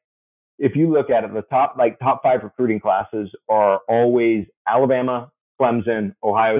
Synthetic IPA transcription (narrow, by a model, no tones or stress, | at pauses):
ɨfjɨlʊkɨɾɨt̪̚ðətʰɑp̚laɪk̚tʰɑpfaɪvɹɨkʰɹ̥ʉɾɪ̃ŋkʰl̥æsɪzə˞ɔlˠwiz | ælˠəbæmə | kʰl̥ɛ̃mzɨ̃noʊɦaɪoʊ